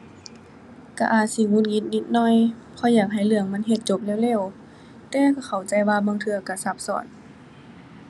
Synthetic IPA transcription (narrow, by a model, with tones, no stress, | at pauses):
ka˧˩ʔaː˨˩t̪̚si˧˦ŋuː˧˥˨n̚ŋi˧˥nni˧˥˨t̪̚nɔː˧˨j | pʰɔ˧˦jaː˨˩k̚ɦa˨˩jlɯ˧˩əŋma˧˥˨nɦe˧˩t̪̚t͡ɕo˧˥p̚lɛː˧˩˨wlɛː˧˥˨w | t̪ɛː˧ka˧˩xʰa˨˩wt͡ɕa˧˩jwaː˧baː˧˨ŋt̪ʰɯ˧ɐka˧˩sa˧˩p̚sɔ̰ː˨˩˦n